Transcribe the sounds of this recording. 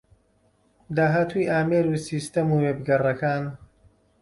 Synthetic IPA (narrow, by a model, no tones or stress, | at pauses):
d̪aːɦaːt̪ʰujʔaːmeːɾuːsiːst̪ɐmuːweːbɡɐrɐkaːn